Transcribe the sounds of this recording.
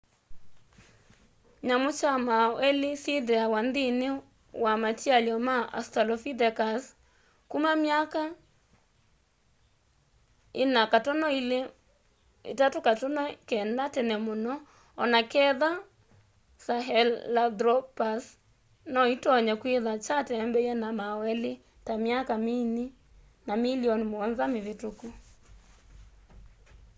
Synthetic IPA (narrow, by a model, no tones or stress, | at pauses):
ɲamʊt͡ʃamaɛlisidɛawandinɪ | wamatialjɔmaa̰stalɔfidɛkas | kumamjaka | ɪnakatɔnɔil | ḛtatukatɔnɔkɛndatɛnɛmonɔ | ɔnakɛða | saɦɛlːadɾɔpas | nɔitɔɲɛkweðat͡ʃatɛmbɛɛnamawɛle | tamjakamini | namiliɔnimoɔnzamɪðetuku